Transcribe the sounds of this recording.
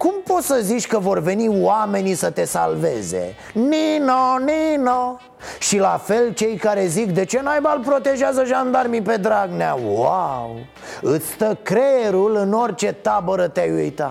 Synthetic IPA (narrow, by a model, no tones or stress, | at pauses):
kumpo̞t̪səzit͡ʃʲkəvo̞rve̞niwame̞nisət̪e̞salve̞ze̞̰ | ninonino | ʃilafe̞lt͡ʃe̞jkaɾe̞zikd̪e̞t͡ʃe̞najbalpɾo̞t̪e̞ʒeazəʒand̪armipe̞d̪ɾaɡnea̰waw | ɨt̪sʲt̪əkɾeɾulɨno̞rʲt͡ʃe̞t̪abəɾət̪eajujt̪a